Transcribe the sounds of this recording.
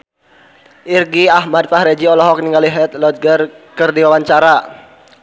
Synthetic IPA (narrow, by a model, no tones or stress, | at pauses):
ʔirɡiaɦmad̚faɦɾed͡ʒiɔlɔɦɔk̚niŋɡaliɦɛt̪̚lɔt̪̚ɡərkərdiwawaɲt͡ʃaɾa